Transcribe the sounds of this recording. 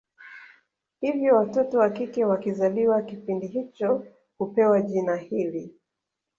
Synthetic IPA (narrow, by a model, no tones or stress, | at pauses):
hivjɔwatɔtɔwakikɛwakizaliwakipindiɦit͡ʃɔ | hupɛwaʄinahili